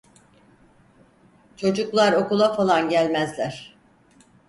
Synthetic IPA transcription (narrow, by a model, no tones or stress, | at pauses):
t͡ʃʰo̞d͡ʒuklˠaɾo̞kulˠafalˠanɟælʲmæzlʲæɾ̥